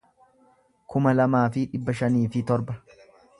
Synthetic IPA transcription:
kʊmɐlɐmaːfɪᶑɪbːɐʃɐniːfɪt̪ɔɾbɐ

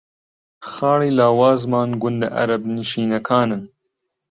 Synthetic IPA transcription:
xɑːɽiːlaːwaːzmɑːnɡʊnd̪ɐ̰ʔɐ̰ɾɐbniʃiːnɐkʰaːnɨn

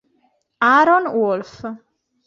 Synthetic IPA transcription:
aɾɔnwɔlf

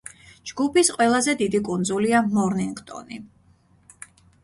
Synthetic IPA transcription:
d͡ʒɡupisqʼwɛlˠazɛd̪id̪ikʼunzuliamɔɾniŋɡʼt̪ʼɔ̰nḭ

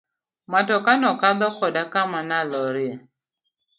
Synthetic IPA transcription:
matɔkanɔkad̪ɔkɔdakamanalɔɾɪe

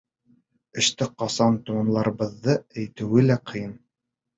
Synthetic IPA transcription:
ɘ̆ʃt̪ɘqɑsɑnt̪uɑ̆nlˠɑɾɤ̆βɤ̆ðːɤæjt̪ɘ̆wɘlæqɤ̆jɤn

